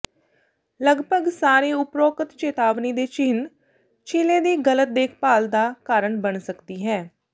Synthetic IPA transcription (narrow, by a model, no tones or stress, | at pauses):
ləɡbʱəɡsaːɾeːʊpɾoːkət̪t͡ʃeːt̪aːʋniːd̪eːt͡ʃɪn | t͡ʃʰɪlẽːd̪iːɡələt̪̚d̪eːkʰpaːld̪aːkaːɾəɳbənsəkd̪iːɦɛː